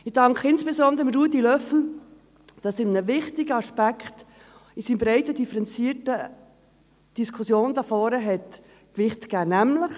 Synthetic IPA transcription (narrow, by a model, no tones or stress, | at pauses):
ɪd̥ɑŋkχəɪnspesɔnd̪əɾəmɾuːətilœfl̩ | d̥ɑsɪmnəvɪχtɪɡəɑʃpækχt | isinbɾɛɪtədifəɾɛnt͡siːətə | d̥iskʰusjoːnd̥̪ɑfɔːɾəɦɛt | kʋɪχtkæːnæmləχ